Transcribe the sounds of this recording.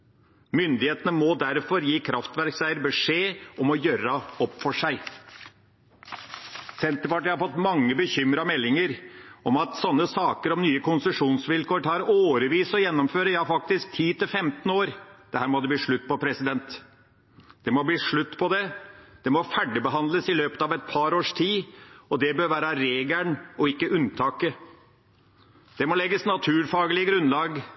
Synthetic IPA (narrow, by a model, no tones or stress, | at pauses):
mʏnd̪ɪheːt̪ənəmɔd̪æɾfɔɾjiːkʰɾɑft̪ʋæɾksæɪəɾbəʂeːʔɔmɔjøːɾɑɔpːfɔʂæɪ | sɛnt̪əɾpɑʈəhɑɾfɔt̪ːmɑŋːəbəçʏmɾɑmɛlːɪŋəɾɔmɑt̪sɔnːəsɑːkəɾɔmnyːəkʰʊnsəʂuːnsʋɪlkoːʈʰɑːɾoːɾəʋiːsɔjɛnːɔmføːɾəjɑːfɑk̚t̪ɪsk̚t̪ʰiːt̪ɪlfɛmt̪noːɾd̪̥ɛhæːɾmɔd̪ɛbliːʂɭʉt̪ːpɔpʰɾɛsɪd̪ɛnt̪ | d̪̥ɛmɔbliːʂɭʉt̪ːpʰɔd̪ɛd̪̥ɛmɔfæɖɪbəɦɑnd̪ləsɪløːpət̪ɑʋɛt̪̚pʰɑɾoːʂt̪ʰiːɔd̪ɛbøːɾʋæːɾəɾeːɡləɳɔɪkːəʔʉnt̪ʰɑːkə | d̪̥ɛmɔlɛɡːəsnɑt̪ʰʉːɾfɑːɡəlɪəɡɾʉnlɑːɡ